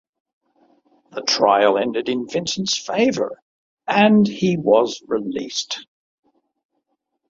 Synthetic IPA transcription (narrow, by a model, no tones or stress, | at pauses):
ðətʰɹ̥aɪəlˠɛ̃ndɨɾɨ̃nvɪ̃nsn̩sfeɪvə̰˞ | ɨ̃niwʌzɹɪlḭˑst